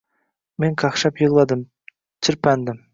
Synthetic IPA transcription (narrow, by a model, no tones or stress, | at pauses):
meŋkʰɑχʃɑpjɨʁlˠɑd̪ɨm | t͡ʃʰɪɾpænd̪ɪm